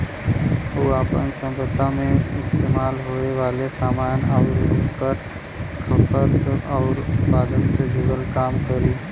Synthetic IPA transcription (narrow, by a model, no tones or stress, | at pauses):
ɦoːaːpə̰nsə̃mpəd̪ʱːamẽɪst̪eːmaːlɦoːeʋaːlesaːmaːnaːʋɾukəɾ | kʰəpət̪ɔːɾʊt̪paːd̪ənsed͡ʒʱuːɽəlkaːmkəɾiː